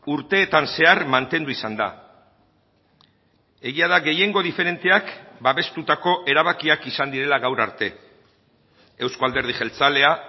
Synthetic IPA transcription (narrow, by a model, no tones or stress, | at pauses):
uɾt̪e̞ːt̪anse̞aɾmant̪e̞nd̪uisand̪a̰ | e̞ɣiað̞aɡe̞je̞ŋɡo̞ðife̞ɾe̞nt̪e̞akbaβe̞st̪ut̪ako̞ʔe̞ɾaβ̞akiakisand̪iɾe̞laɣawɾa̰ɾt̪e̞ | ewskoald̪e̞ɾð̞iʝe̞lt͡sale̞a